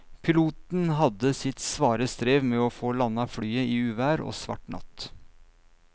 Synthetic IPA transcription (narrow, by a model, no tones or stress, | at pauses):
pʰɪluːt̪n̩ɦɑd̪əsɪt̪sʋɑːɾəst̪ɾeːʋmɛːoːfoːlɑnːɑfɽyːəiːʉːʋæːɾo̰ːsʋɑ̰ʈɳɑ̰t̪